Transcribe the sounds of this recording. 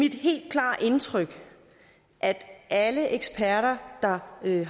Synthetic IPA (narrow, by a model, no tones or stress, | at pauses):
mid̥ɦe̝̰ːld̥̚kʰlɑ̰̈ːʔe̝nt͡sʰʁœɡ̥ | ʔæd̥ʔæləʔeɡ̥spʰæɐɾɐd̥ɑ̈